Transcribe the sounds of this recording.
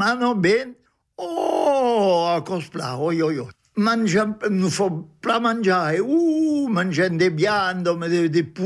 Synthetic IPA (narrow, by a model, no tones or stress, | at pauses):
anɔbɛn | ɔ | akɔspla̰ɔjɔjɔ | mand͡ʒanufɔplamand͡ʒaeumand͡ʒɛnd̪ebjand̪ɔmed̪ed̪epu